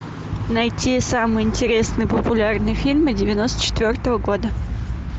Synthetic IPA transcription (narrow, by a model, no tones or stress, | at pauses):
nɐjtʲisamɨjɪnʲtʲɪɾʲe̞snɨjəpəpʊlʲarnɨjfʲilʲmɨdʲɪvʲɪno̞st̪ə̥t͡ɕɪ̥t̪vʲort̪əvəɡo̞d̪ə